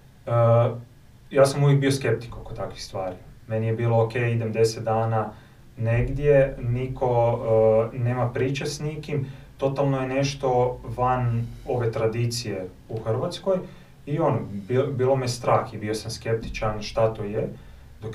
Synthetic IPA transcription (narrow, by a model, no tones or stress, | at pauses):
ə | jaːsamuʋjek̚bioske̞p̚t̪i̥kokot̪akʋixst̪ʋaːɾime̞nijebiːlˠookejid̪emd̪eset̪̚d̪aːna | neɡd̪je̞nikʰo̞ | neːmapɾiːt͡ʃesnikimt̪o̞t̪alˠno̞jene̞ʃt̪o̞ʋano̞ʋe̞t̪ɾad̪iːt̪sije̞ | uxr̩ʋat̪sko̞j | io̞nobibiːlˠo̞miest̪ɾaːxibio̞samske̞p̚t̪i̥t͡ʃaɾnʃt̪at̪oje | d̪̥ok